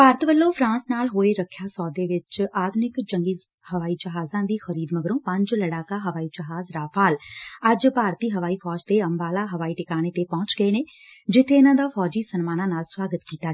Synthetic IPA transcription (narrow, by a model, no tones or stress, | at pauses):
paːɾət̪ʋəlːõːpʰɾãːnsnaːlɦoːeːɾəkʰːjaːsɔːd̪eːʋɪt͡ʃaːd̪nɪkd͡ʒəŋɡiː | həʋaːiːd͡ʒəɦaːzãːd̪iːxəɾiːd̪məɡɾõːpə̃ɲd͡ʒləɽaːkaːɦəʋaːiːd͡ʒəɦaːzɾaːpʰaːləd͡ʒpaːɾt̪iːɦəʋaːiːpʰɔːd͡ʒt̪eːəmbaːlaːɦəʋaːiːʈɪkaːñeːt̪eːpɔ̃ːt͡ʃɡəeːneː | d͡ʒɪt̪ʰːeːɪnãːd̪aːpʰɔːd͡ʒiːsənmaːnãːnaːlswaːɡət̪kiːt̪aː